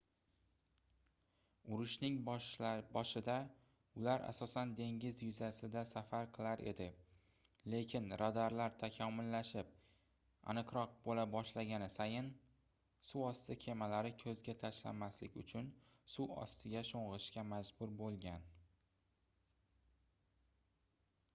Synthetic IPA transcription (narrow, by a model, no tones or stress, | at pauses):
ʊɾʊʃnɪŋ | bɒʃɪd̪a | ʊlaɾʔa̰sɒsand̪e̞ŋɡʲɪzjʊzasɪd̪asafaɾqʰɨlˠaɾʔe̞̰d̪ɪ | le̞kʲʰɪnɾad̪aɾlaɾt̪ʰakʲʰɒmʊlːaʃɪp̚ | a̰nɨqɾɒq̚bolabɒʃlaɡʲanɪsajɪn | suɒst̪ɪkʲʰe̞malaɾɪkʰɵzɡʲat̪ʰaʃla̰maslɪkʲʊ̰t͡ʃʰʊn | suɒ̰st̪ʰɪɡʲaʃoɴʁɨʃkʲamad͡ʒbʊɾbolˠɡʲan